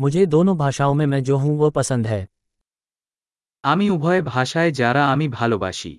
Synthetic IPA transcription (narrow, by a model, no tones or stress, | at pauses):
mʊd͡ʒʱed̪oːnõbʱaːʃaːõmẽmɛ̃d͡ʒoːɦũʋopɐsə̃nd̪ɦɛː | aːmiʊbʱɔːebʱaːʃaezjaːɾaaːmibʱaːloba̰ːʃḭː